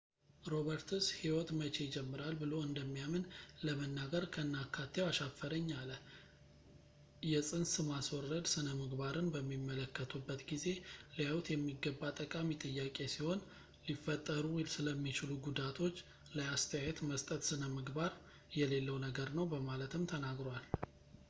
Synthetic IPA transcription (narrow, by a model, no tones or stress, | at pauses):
ɾo̞βəɾt̪ʰɨshiwɔt̪mət͡ʃe̞jɪd͡ʒɛmːɨɾalbɨlo̞ɨnd̪əmːijamɨnləmənːaɡəɾkʰəɨnːakʰːat̪ʰːewaʃafəɾəɲːalə | jɛsʼɨnsɨmaswɔrːəd̪sɨnəmɨɡbaɾɨnbəmːimːələkːət̪ʰubːət̪ɡize̞lijawt̪jɛmːiɡəbːat̪ʼəkʼamit̪ʼɨjːakʼe̞siho̞n | lifːət̪ʼːəɾusɨləmːit͡ʃɪluɡud̪at̪ʰo̞t͡ʃː | ləast̪ʰəjajet̪məst̪ʼət̪sɨnəmɨɡbaɾ | jɛle̞lːəwnəɡəɾnəwbəmalət̪ʰɨmt̪ʰənaɡɾowal